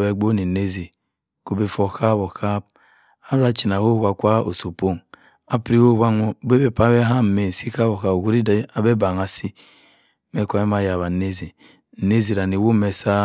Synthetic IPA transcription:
be˨ɡ͡bo˦ni˨ne˦zi˨ | ko˨be˨fo˨ka˦bo˨ka˦b̚ | a˦ɾa˦t͡ʃi˨na˨ho˦˨wa˨kʷa˦o̰˨so˨po˦ŋ | a˦pɾi˦o˦˨wa˦ŋo˦be˦be˦pa˦be˦ɦa˦˨me˨si˦ka˦bo˨ka˦˨ɡu˦ɾi˦da˨be˦ba˨ŋa˨si˦ | me˨˦kʷa˨˦e˦m˦a˦˨ja˨βa˨ne˦zi˨ | ne˦zi˨ɾa˨ni˨wo˦me˨sa˦

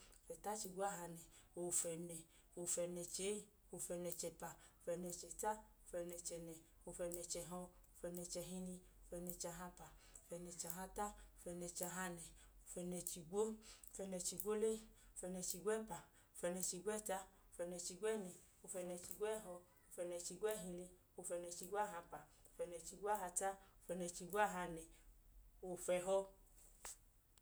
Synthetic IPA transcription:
o˨fɛ˨ta˦t͡ʃi˧ɡo˦a˦ɦa˧nɛ˨o˨fɛ˧nɛ˨ | o˧˨fɛ˧nɛ˧t͡ʃe˨˦i˦ | o˧˨fɛ˧nɛ˧t͡ʃɛ˧pa˨o˨fɛ˧nɛ˧t͡ʃɛ˨ta˦o˨fɛ˧nɛ˧t͡ʃɛ˧nɛ˨ | o˧˨fɛ˧nɛ˧t͡ʃɛ˧ɦɔ˧o˨˧fɛ˧nɛ˧t͡ʃɛ˧ɦi˧nĩ˧ | o˨fɛ˧nɛ˧t͡ʃa˧ɦa˧pa˨o˨fɛ˧nɛ˧t͡ʃa˧ɦa˧ta˦o˨fɛ˧nɛ˧t͡ʃa˧ɦa˧nɛ˨o˨fɛ˧nɛ˧t͡ʃi˧ɡo˦o˨fɛ˧nɛ˧t͡ʃi˧ɡʷo˦le˦o˨fɛ˧nɛ˧t͡ʃi˧ɡʷɛ˦˨pa˨ | o˨fɛ˧nɛ˧t͡ʃi˧ɡʷɛ˦ta˦o˨fɛ˧nɛ˧t͡ʃi˧ɡʷɛ˦˨nɛ˨ | o˧fɛ˧nɛ˧t͡ʃi˧ɡʷɛ˦ɦɔ˧ | o˧˨fɛ˧nɛ˧t͡ʃi˧ɡʷɛ˦ɦĩ˧le˧ | o˧fɛ˧nɛ˧t͡ʃi˧ɡʷa˦ɦa˧pa˨ | o˨fɛ˧nɛ˧t͡ʃi˧ɡʷa˦ɦa˧ta˦o˨fɛ˧nɛ˧t͡ʃi˧ɡo˦a˦ɦa˧nɛ˨ | o˨fɛ˧ɦɔ˧

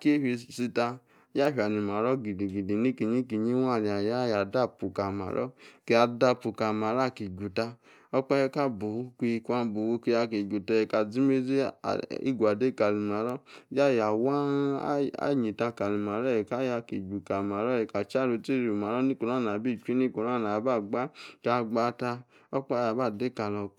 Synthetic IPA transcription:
ke˦hi˧si˧ta˧ | ja˦ɸi˧˨a˨ni˨ma˨ɾɔ˦ɡi˨di˨ɡi˨di˨ni˦ki˨ɲi˦ki˧ɲi˦wa˦˨ɾi˨a˨ja˦˨ja˨da˦˨pu˨ka˨ma̰˨ɾɔ̰˦ke˧a˧da˧˨pu˨ka˨ma˨˦ɾa˦˨ki˨ɡu˨ta˧ | ɔ˧k͡pɛ˧je˧˦ka˦bu˨u˦kʷi˧i˧kʷa˦˧bu˨wu˧ki˧ja˧ke˨ɡu˨tɛ˧jɛ˨ka˨d͡zi˦me˦d͡zḭ˦˨ḭ˦ɡʷa˨de˦˨ka˨li˨ma˨ɾɔ˦ja˦˨ja˨wa˦ | a̰˦ɲi˨ta˧ka˨li˨ma˨ɾɔ˦jɛ˨ka˦ja˧ki˨ɡu˨ka˨ma˨ɾɔ˦jɛ˨ka˨t͡ʃa˦˨ɾu˧˦ti˦ɾi˨ma˨ɾɔ˦ni˦ko˨ɾa˦˨n˨a˨bi˦˨t͡ʃʷi˦ni˦ko˨ɾa˦˨a˨ba˦˨ɡ͡ba˦ka˧ɡ͡ba˦ta˧ | ɔ˦k͡pa˦ja˨ba˦˨de˦˨ka˨lɔ˧

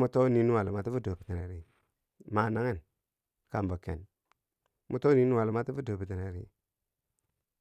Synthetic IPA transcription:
mu˨˦to˦ni˦nu˦wa˨lma˨ti˦fu˦do˨pi˨ti˨ɾe˨˦ɾi˨ | ma˨na˦ŋe˦n | ka˨mbo˨kḛ˨n | mu˨to˦ni˦nu˦wa˨lma˦ti˦fu˦do˨pi˨ti˨ne˨ɾi˦

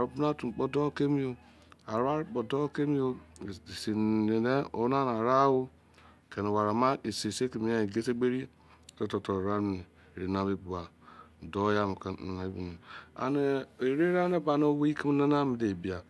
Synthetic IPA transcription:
a˨ɾo˦pu˦na˦tu˨k͡po˦do˦ke˦mi˦o˨ | a˨ɾa˦ɾi˦k͡po˨do˦ke˦mi˦o˦˨si˨e˨de˦o̰˨˦na˦na˨ɾa˦wu˦˨ | ke˨no˨wa˨ɾa˨ma˦e˨se˨se˦ke˨mi˦ja˦i˨ɡe˦se˦ɡ͡be˦ɾi˦˨ | to˦to˨to˨ɾa˦˨ne˨ | ɾi˨na˨bi˦bu˨a˨ | do˦ja˦m˨ka˨ne˨˦bi˦˨no˨a̰˨ne˨e˨ɾe˦ɾa˦ne˦ba˨no˦wi˦ki˦m˦na˦na˦mi˨de˨bi˨a˨

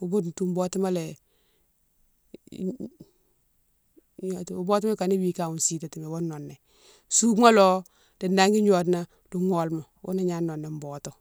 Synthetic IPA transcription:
u˨bo˦ttu˦m˦bo˦ti˦ma˦le˨ | ɲo˨tu˦bo˦tma˦ka˨ni˦wi˦˨ka˨u˨nsi˨te˨ti˨me˨wo˦nːɔ˨nːe˨ | su˦mo˦lo˦ | d̥i˨nda˦ŋɡi˦ɲo˨t̬na˦ | du˨ŋɔ˨lmo˨wṵ˦na˨ɲa˦nɔ˨nːe˨m˦boː˨to˨

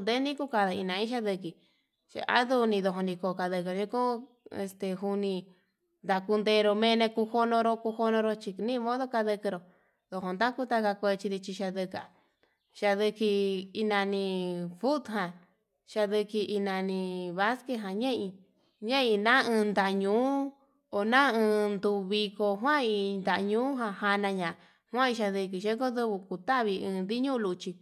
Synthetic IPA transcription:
nd̪e˦nĩ˦ku˦ka˧ða˧i˧nã˧ĩ˦ʃ̬a˦ðɨ˧ki˨ | ʃa̰˧ʔa̰˦ðu˧nĩ˧ðo˧ɦo˧nĩ˧ko˧˨ka˧ðɨ˧kɨ˧ʃĩ˧˦kõ˦ | e˧st̪e˨ɦu˧nĩ˧ | nd̪a˧ku˧nd̪e˧ɾo˧mẽ˧nẽ˧ku˧ho˧nõ˧ɾo˧ku˧ho˧nõ˧ɾo˧t͡ʃi˧nĩ˦˧mõ˦ðo˦ka˧ðɨ˧kɨ˧ɾo˨ | ðo˧ɦo˧nd̪a˦ku˦t̪a˦˧ka˧kʷe˧t͡ʃi˧ði˧t͡ʃi˧ʃa˧ðɨ˧ka˨ | ʃa˧ðɨ˧ki˧i˧nã˧nĩ˧fu˦t̪ɦã˧ | ʃa˧ðɨ˧ki˧i˧nã˧nĩ˧βa˦ske˧ɦã˨ɲẽ˦ĩ˧ | ɲẽ˦ĩ˧nã˦ɨ̃ː˧nd̪a˧˨ɲũː˨˦ | o˨nã˦ɨ̃ː˧nd̪u˧βi˧ko˧ɦwã˦i˧nd̪a˨ʔɲũː˦ɦã˧ha˧nã˧ɲã˨ | hʷã˦ĩ˧ʃa˧ðɨ˧k̬i˧ʃe˦ko˦ðɨ˧βu˧ku˨t̪a˦βi˧ɨ̃ː˧nd̪i˦ɲũ˦˧lu˧t͡ʃi˧

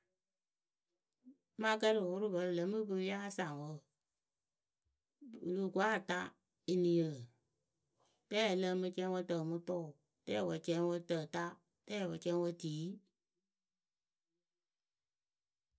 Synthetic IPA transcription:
ma˦kə˦ɾɨ˨wʊ˦ɾu˦bə˨˦ɾɨ˨lə˨˧˦mɨ˦bɨ˧˦ja˦sa˨ŋwə˧˦˨ | ɨ˨lu˨ku˨a˦˨ta˦ | i˧ni˨jə˨ | tɛ˦˨lə˧mɨ˧t͡ʃɛ˧˦ŋwə˧tə˨mu˧tɔ˦˨ | tɛ˦˨wə˨t͡ʃɛ˦ŋwə˧˦tə˨ta˦ | tɛ˦˨wə˧t͡ʃɛ˧˦ŋwə˧tiː˨˦

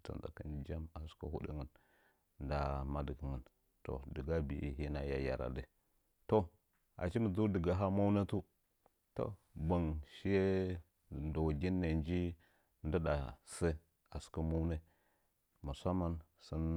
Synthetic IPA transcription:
ta̰˨nza̰˨kə˦nd͡ʒa˦ma˨ska̰˨hu˦dḭ˦ŋə˨n | nda˨ma˦di˨kə˨ŋə˨n | to̰˨də˨ɡa˦bi˨ʔḭ˦ɦi˦na˨ja˨ja̰˨ɾa̰˨di˦ | to˦ | a̰˨t͡ʃi˦mə˨d͡zu˦də˨ɡa˨˦ɦa˦ma˦wna˦tu˦ | to̰˨ba˨ŋʃi˦je˦ | da˨wɡi˦nːe˨nd͡ʒi˦ | ndə˦da˨sa˦ | a˨su̥˨ka˦ma˦wne˦ | mu˨sa˦mːa˦n | sə˦n

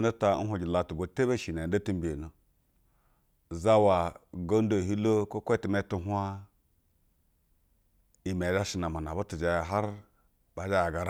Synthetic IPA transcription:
no˦ta˨˦n̩˦ɦʷo˨ɡi˨la˨tu˨bo˨te˦be˦ʃi˨n˨e˨˦do˦ti˦m˦bi˨e˨no˨ | za˦wa˨ɡo˦n˦do˨ɦi˦lo˦ko˦kʷti˨me˦tu˦ɦu˦a˦ | i˨me˨d͡ʒa˦ʃi˨na˨ma˨na˨bo˦tu˨d͡ʒa˨jɦa˦ɾ | ba˨d͡ʒa˦ja˨ɡa˨ɾa˦

